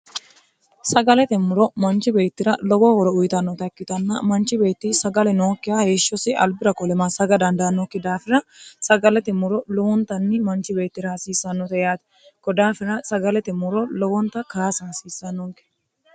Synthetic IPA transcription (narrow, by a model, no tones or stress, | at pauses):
sɐɡɐlɛt̪ɛmʊɾɔmɐnt͡ʃɪbe̞ːt̪ːɪɾɐlɔɡɔhɔɾɔʊjt̪ɐnːɔt̪ɐkːɪt̪ɐnːɐmɐnt͡ʃɪbe̞ːt̪ːɪsɐɡɐlɛnoːkːɪjɐheːʃːɔsɪʔɐlbɪɾɐkʼɔlɛmasɐɡɐd̪ɐnd̪ɐnːɔkːɪd̪aːfɪɾɐsɐɡɐlɛt̪ɪmʊɾɔlɔwɔnt̪ɐnːɪmɐnt͡ʃɪbe̞ːt̪ːɪɾɐhɐsiːsːɐnːɔt̪ɐjaːt̪ɪ̥ | kɔd̪aːfɪɾɐsɐɡɐlɛt̪ɛmʊɾɔlɔwɔnt̪ɐkaːsɐhɐsiːsːɐnːɔŋkɛ̥